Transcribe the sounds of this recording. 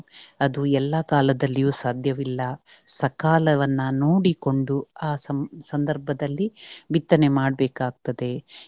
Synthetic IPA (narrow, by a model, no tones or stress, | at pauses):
ɐd̪uɛlːɐkaːlɐd̪ɐlːijuːsaːd̪ʱjɐʋilːɐsɐkaːlɐʋɐnːɐnoːɽiko̞ɳɖuaːsɐsɐnd̪ɐɾbʱɐd̪ɐlːibit̪ːɐnemaːɖɐbɛːkaːɡ̚t̪ɐd̪e̞